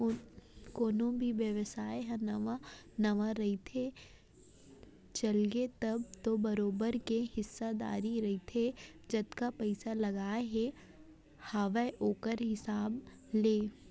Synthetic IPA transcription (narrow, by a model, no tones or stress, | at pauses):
koːnõbʱiʋjəʋəsaːeɦɛnɐʋanɐʋaɾɐɦit̪ʰe | t͡ʃɐlɡet̪ɐbt̪obɐɾoːbəɾkehɪsːad̪a̰ːɾiɾɐɦit̪ʰed͡ʒɐt̪kapɛɪsalɐɡaːɦɛ | haːʋaʔoːkəɾɦɪsaːb | leː